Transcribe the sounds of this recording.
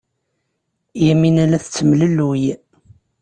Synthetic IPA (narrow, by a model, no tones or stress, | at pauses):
jæminælæθət͡sːəmləlːwj